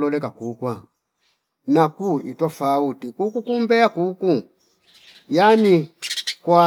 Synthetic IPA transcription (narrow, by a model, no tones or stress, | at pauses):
lɔlɛkakukwa | nakuitɔfautikukukumbɛakuku | janikwa